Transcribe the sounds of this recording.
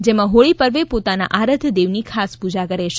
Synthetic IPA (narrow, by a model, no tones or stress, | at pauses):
d͡ʒemãɦoɭipəɾʋepot̪ana̰ʔaɾət̪ʰd̪eʋnikʰaspud͡ʒakəɾeʃe